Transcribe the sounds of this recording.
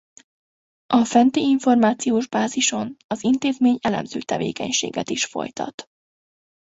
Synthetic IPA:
ʔɒfɛnt̪eːiɱfo̞rmaːt̪sijoːʒbaːziʃo̞nɒzint̪eːzmeːɲɛlɛ̰mzøːt̪ɛvḛːkɛ̰ɲʃḛːɡɛ̰t̪iʃfo̞̰jt̪ɒ̰t̪

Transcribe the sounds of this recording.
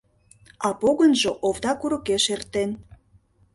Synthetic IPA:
ɑpoɣənʒoʔovd̪ɑkuɾɤ̆keʃert̪en

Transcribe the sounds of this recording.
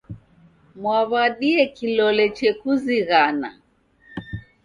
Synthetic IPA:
mwaβaɗiɛkilɔlɛt͡ʃɛkuziɣana̰

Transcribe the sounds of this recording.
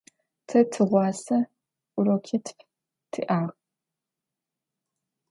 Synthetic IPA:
tʰɐtʰɨʁʷɑːsɐ | ʊɾokʰɪtʰpʰ | tʰɨ̰ʔaːʁ

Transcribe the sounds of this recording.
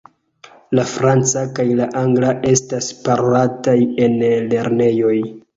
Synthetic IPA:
lafɾant͡sakajlaʔaŋɡlaʔe̞staspaɾataje̞nle̞ɾne̞jo̞j

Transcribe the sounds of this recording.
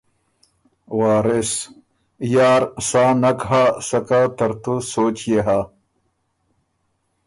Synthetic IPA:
waːɾes | jaːɾsaːnɐkɦasɐkaːt̪ɐɾt̪usoːt͡ɕjeɦa

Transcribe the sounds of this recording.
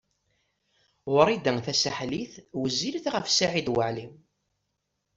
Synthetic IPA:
ʁʊɾˤid̪əŋθæsaħliθwəzːilθʁəfsaʕid̪wəʕlim

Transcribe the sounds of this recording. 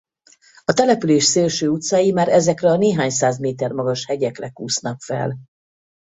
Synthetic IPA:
ɒt̪ɛlɛpyleːʃseːlʃøːut̪saːjimaːɾɛzɛkrɛɒneːɦaːɲsaːzmeːt̪ɛrmɒɡɒʃhɛɟɛkrɛkuːsnɒkfɛ̰l

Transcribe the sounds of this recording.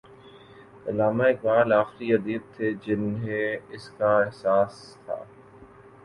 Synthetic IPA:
ɐlaːmaɪːk̚baːlaːxɾiɐd̪iːb̚t̪ʰed͡ʒɪnɦẽɪskaɪɦsaːs | t̪ʰa̰ː

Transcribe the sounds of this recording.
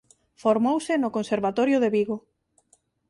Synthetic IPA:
foɾmowsɪnʊkonseɾβat̪ɔɾjʊðeβiɣo

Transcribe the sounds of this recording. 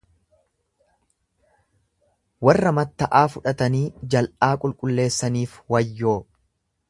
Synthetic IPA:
wɐrːɐmɐt̪ːɐʔaːfʊᶑɐt̪ɐniːd͡ʒɐlʔaːkʼʊlkʼʊlːe̞ːsːɐniːfwɐjːo̞ː

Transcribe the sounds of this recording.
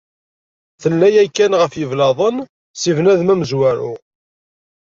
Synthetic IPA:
θəlːæjækːænʁəfjəvlɑðˤən | sivnæðmæməzwæɾʊ

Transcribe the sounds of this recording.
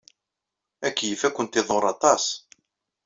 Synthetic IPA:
ækːjəfækʷːənt̪ɪðˤʊɾˤɑt̪ˤɑs

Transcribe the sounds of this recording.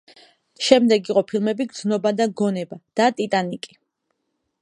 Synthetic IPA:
ʃɛmd̪ɛɡiqʼɔpʰilˠmɛbiɡɾd̪znɔbad̪aɡɔnɛbad̪̥at̪ʼit̪ʼanikʼi

